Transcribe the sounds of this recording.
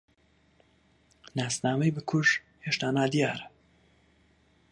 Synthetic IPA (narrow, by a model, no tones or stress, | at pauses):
naːsnaːmejbɨkʰʊʒ | heːʃt̪aːnaːd̪ijaːɾ